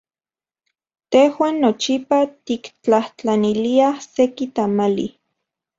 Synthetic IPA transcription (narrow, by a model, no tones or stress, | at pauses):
t̪ehwaːnːot͡ʃipat̪ikt͡ɬaht͡ɬaniliasekit̪amalḭ